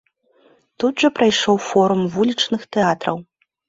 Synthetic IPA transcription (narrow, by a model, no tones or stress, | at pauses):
t̪ud̪ʐɐpɾajʂɔwfɔɾumvulʲit͡ʂnɨxt̪ɛat̪ɾɐw